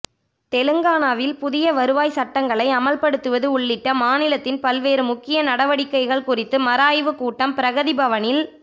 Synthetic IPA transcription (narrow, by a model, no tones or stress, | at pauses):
t̪ɛlɯŋɡaːnaːʋɪlpʊðɪjɐʋɐɾɯʋaːjsɐʈːɐŋɡɐɭɐɪɐmɐlpɐɽɯt̪ːɯʋɐðɯʊɭːɪʈːɐmaːnɪlɐt̪ːɪnpɐlʋeːɾɯmʊkːɪjɐnɐɽɐʋɐɽɪkːɐɪɣɐɭkʊrɪt̪ːɯmɐɾaːjʋɯkuːʈːɐmpɪɾɐɣɐðɪbɐʋɐnɪl